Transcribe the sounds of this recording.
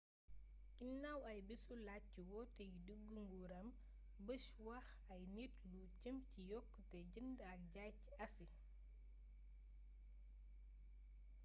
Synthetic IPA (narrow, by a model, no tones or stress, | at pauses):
inɐwɐjbisula | iwɔtɛjuduɡːəŋɡuɾɐm | bəʃwɐx | ɐjnitlucəmcijɔkːtɛɟəndɐk̚ɟajc | ɐsi